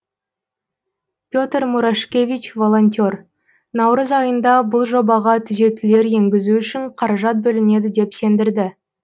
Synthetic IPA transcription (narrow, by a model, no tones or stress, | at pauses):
pʲjo̞t̪rmuɾaʃkʲe̞vʲit͡ʃvo̞lˠo̞nʲt̪ʲor | nɑwɾəzɑjənd̪ɑbʊlˠʒo̞bɑʁɑt̪ʰʏze̞t̪ɪle̞ɾje̞ŋɡʲɪzuʏʃɪɴqʰɑɾɑʒɑt̪̚bɵlɪne̞d̪ɪd̪e̞pse̞nd̪ɪɾd̪ɪ